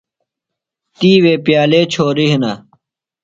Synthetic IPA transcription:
t̪iːweːpjaːleːt͡ɕʰoːɾiɦina

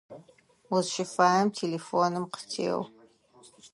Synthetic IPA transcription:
wʊzʃɪfaːjɐmtʰeːleːfoːnɨmqə̥tʰḛːw

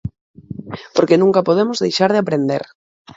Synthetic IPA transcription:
poɾkenũŋkapoð̞emozðejʃaɾðɪapɾẽnd̪eɾ

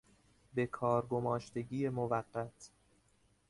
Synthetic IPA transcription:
be̞kʰɒːɾɡomɒːʃt̪e̞ɟiːjemovæɢːæt̪ʰ

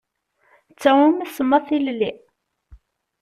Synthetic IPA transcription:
t͡sːæwumæsəmːɑθilli

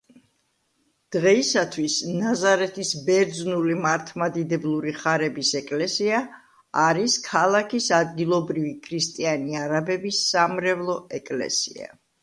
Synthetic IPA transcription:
d̪̥ʁɛisat̪ʰwisnazaɾɛt̪ʰisbɛɾd̪znulimaɾt̪ʰmad̪id̪ɛblˠuɾiχaɾɛbisɛkʼlɛsiaː | aɾiskʰalˠakʰisad̪̚ɡilˠɔbɾivikʰɾist̪ʼianiaɾabɛbisːamɾɛvlˠɔɛkʼlɛ̰sḭa̰

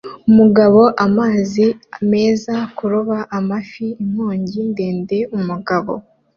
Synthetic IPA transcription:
umuɡaβo̞ʔamaːziame̞ːzakuɾuβaʔamafiːmhoːɲɟinde̞ːnde̞umuɡaβo̰

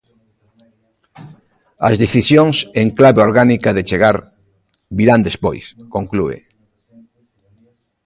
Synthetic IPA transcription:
ɐ̰zðeθisjoŋseŋklaβeoɾɣanikaðet͡ʃeɣaɾ | βiɾand̪espojskoŋkluḛ

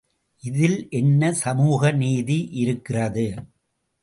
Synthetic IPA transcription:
ʔɪðɪlʔɛnːɐsɐmuːɣɐniːðiʔɪɾɯkːɪrɐðɯ

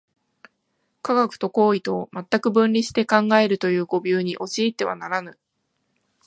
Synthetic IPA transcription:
kaɡakɯ̟̥t̪o̞ko̞ːit̪o̞mat̪ːakɯ̟bɯ̟̃nʲɾʲiɕi̥t̪e̞kãŋɡae̞ɾɯ̟t̪o̞jɯ̟ːɡo̞bʲjɨːɲ̟iʔo̞t͡ɕiːt̪ːe̞βa̰naɾanɯ̟

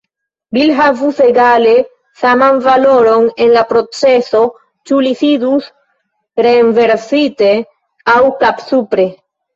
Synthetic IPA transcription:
bilɦavuse̞ɡale̞ | samanvalo̞ɾo̞ne̞nlapɾo̞t͡se̞so̞ | t͡ʃulisidus | ɾeːnve̞ɾsite̞ | awkapsupɾe̞

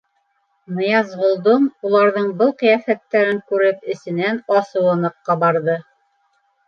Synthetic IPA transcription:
mɤ̆jɑzʁŏlˠd̪omulˠɑɾðɤɴbɤlˠqɤ̆jɑfæt̪ːæɾɘŋkʉɾɘpɘ̆sɘ̆nænɑsɤ̆wɤ̆nɤqːɑbɑɾðɤ

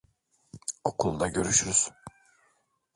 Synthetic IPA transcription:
o̞kʰulˠd̪aɟø̞ɾyʃyz̥

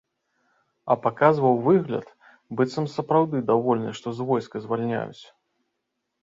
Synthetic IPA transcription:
ɐpakazvɐwvɨɣlʲɐ̰t̪ | bɨt̪sɐmsɐpɾawd̪ɨd̪avɔlʲnɨ̰ʂt̪ɔzvɔjskɨzvalʲnʲa̰jṵt͡sʲ

